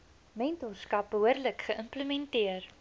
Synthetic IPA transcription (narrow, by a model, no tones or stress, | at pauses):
mejnt̪uskapəəɾləkxəʔəmpləmɛnt̪iəɾ